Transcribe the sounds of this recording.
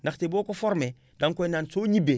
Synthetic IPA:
naxteboːkofoɾme | daŋkojnansoɲibe

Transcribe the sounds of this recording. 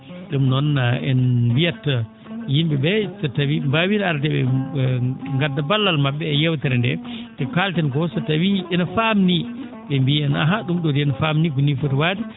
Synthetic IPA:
ɗumnɔnːaɛ̰nbijatːa | jimbibɛsatawimbawinaɾtɛɓɛ̰ | ŋɡadːabalːalmaɓːɛːjɛwtɛɾɛndɛ̰tɛkaltɛnkɔsatːawiɛnafamni | ɓɛmbiɛna̰ɦaɗumɗɔdiɛnafamniɡunifutwadi

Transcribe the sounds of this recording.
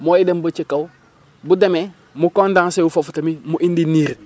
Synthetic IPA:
moidembat͡ʃekaw | budeme | mukondãŋseufofutamimuʔindiniɾ

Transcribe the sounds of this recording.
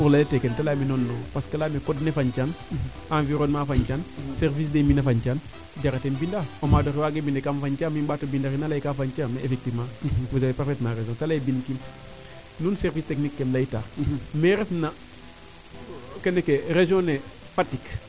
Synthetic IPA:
uɾlaletekentalaːminonːɔpaskalamekɔdnefaɲt͡ʃan | ãnviɾoːnmaːfaɲt͡ʃanservis̬deminɐfaɲt͡ʃaːn | ɟaɾatembindaomadoɾiwaɡebindekamfaɲt͡ʃaːmimbaːtobindaɾinalajkaːfaɲt͡ʃameefek̚tivmãusaleparfetmãreʒɔ̃ntalajbinkim | nuːnsɛrvisteknikːemlaitaːmeɾɛfna | kenekeɾeʒõne | fatik

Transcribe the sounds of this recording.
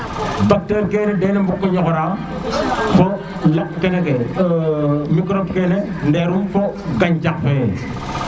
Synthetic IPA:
bak̚təɾkeːnedenembukːojɔkoɾa | fo | lap̚keneke | mikɾop̚kene | ndeɾumfoɡaɲt͡ʃak̚fe

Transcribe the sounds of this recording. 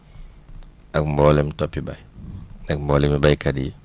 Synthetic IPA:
ɐkmbɔːlɛmtɔpːibɐjnɛk̚mbɔːlɛmibɐjkɐdji

